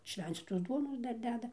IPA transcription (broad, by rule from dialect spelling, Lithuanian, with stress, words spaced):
ˈʃʲʋʲɛnʲt͡sʲiːtoːs ˈduɔnoːs ˈdɐr ˈdʲæːdɐ